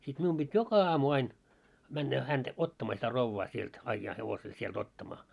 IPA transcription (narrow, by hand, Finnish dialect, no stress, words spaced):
sit mium b̥it jokɑ ɑːmu ɑin mænːæ hænd̥æ otːɑmɑː sitæ roʋːɑː sielt ɑĭjːɑː heʋosel sield̥ otːɑmɑː